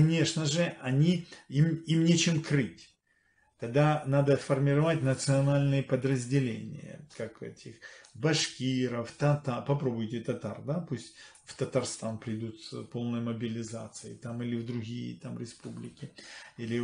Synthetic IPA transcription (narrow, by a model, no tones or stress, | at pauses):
kɐnʲe̞ʂnəʐɨɐnʲiimimnʲet͡ɕɪmkɾɨtʲ | t̪ɐɡ̚d̪anad̪əfərmʲɪɾɐvatʲnət̪sɨɐnalʲnɨjəpəd̪ɾəzʲdʲɪlʲḛnʲɪ̰jə̰kakɛ̰tʲɪxbɐʂkʲiɾəft̪ɐt̪apɐpɾo̞bʊjtʲɪt̪ɐt̪a̰rd̪apusʲtʲ | ft̪ət̪ɐrst̪anpɾʲɪd̪ʲut̪spo̞lˠnəjməbʲɪlʲɪza̰t̪sɨɪ̰t̪amilʲɪvd̪ɾʊɡʲijə̰t̪amɾʲɪspublʲɪkʲɪilʲɪ